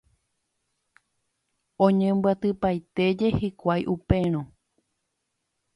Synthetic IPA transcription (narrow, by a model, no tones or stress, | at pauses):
õɲẽmbɨat̪ɨpajt̪e̞d͡ʒe̞hikʷajʔupẽ̞ɾ̃õ